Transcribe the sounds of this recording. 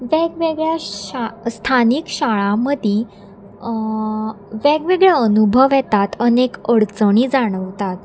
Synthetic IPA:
ʋeɡʋeɡɭjaast̪ʰanikɕaɭãməd̪ʱi | ʋeɡʋeɡɭjaənubʱəʋjɛt̪at̪ənekəɽt͡səɽ̃id͡zaɽ̃əʋt̪at̪

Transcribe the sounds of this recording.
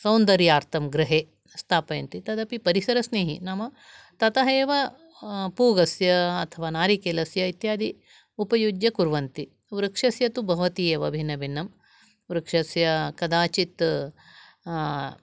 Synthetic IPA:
sɐwnd̪ɐɾiaːɾt̪ʰɐmɡɾɨɦeː | st̪ʰaːpɐjɐnt̪it̪ɐd̪ɐpipɐɾisɐɾɐsneːɦinɐmɐ | t̪ɐt̪ɐɦeːʋɐ | puːɡɐsjɐːt̪ʰɐʋaːnaːɾikeːlɐsjɐit̪jaːd̪i | upɐjud͡ʒjɐkuɾʋɐnt̪i | ʋɾɐkʂɐsjɐt̪ubʱɐʋɐt̪iːeːʋɐbʱinɐbʱinːɐm | ɾɐkʂɐsjɐkɐd̪aːt͡ʃit̪

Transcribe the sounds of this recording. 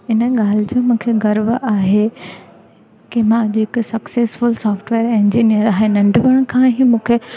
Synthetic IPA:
ɪnə̆ɠaːl̤ɪd͡ʑoːmũːkʰeɡɐɾʋaːɦe | kimãɐd͡ʑʊɦɪksɐkseːsfʊlsɔːfʈʋeːɾẽɲd͡ʑiːnijəɾaːɦenɐ̃ɳɖʋəɽ̃kʰãːɦĩmũːkʰe

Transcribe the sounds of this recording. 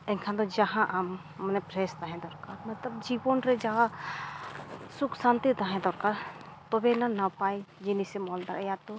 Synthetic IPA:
ɛkʰãd̪ɔd͡ʒaɦãʔamː | nɛpɾɛst̪aɦɛ̃d̪ɔɾkaːɾmɐt̪ləbd͡ʒibɔnɾɛd͡ʒaɦã | sʊkʰsãnt̪it̪aɦɛ̃d̪ɔɾkaɾ | t̪ɔbenanapaːid͡ʒɪnisɛmɔld̪aɾɛjat̪ɔ

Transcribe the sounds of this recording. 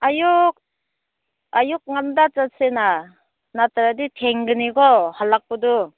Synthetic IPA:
ajuk̚ | ajuk̚ŋamdat͡ʃasena | nataɾaditʰeŋɡɯniɡɔhalak̚pɔdu

